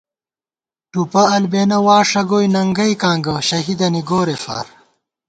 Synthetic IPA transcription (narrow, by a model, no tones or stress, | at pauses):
ʈupɐɐlbeːnɐwaːʂɐɡoːjnɐŋɡɐjkãːŋɡɐɕɐɦid̪ɐniɡoːɾefa̰ːɾ